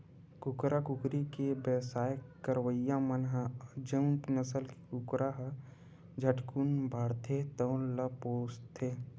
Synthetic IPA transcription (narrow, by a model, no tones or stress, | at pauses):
kʊkɾakʊkɾikebəsaːjkəɾwəjãmənɦəd͡ʒəʊ̃npnəsəlkikʊkɾaɦə | d͡ʒʱəʈkunbʱaːɽt̪ʰet̪ə̃ləpoːst̪ʰːeː